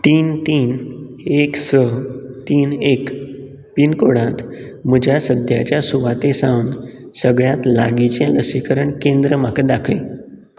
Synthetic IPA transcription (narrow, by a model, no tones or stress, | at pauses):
t̪iːnt̪iːn | eksəɦt̪iːnek | pinkoɽãt̪ | m̤əd͡ʑʱjasəd̪ʱja̰t͡ɕjasuʋat̪esawnsəɡɭjat̪la̰ɡit͡ɕãləsikəɾəɳkẽnd̪ɾəmakəd̪akʰəj